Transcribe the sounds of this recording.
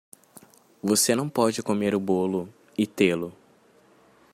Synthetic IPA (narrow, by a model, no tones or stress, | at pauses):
vosenɐ̃w̃pɔd͡ʒɪkomeɾʊbolʊ | ɪt̪elʊ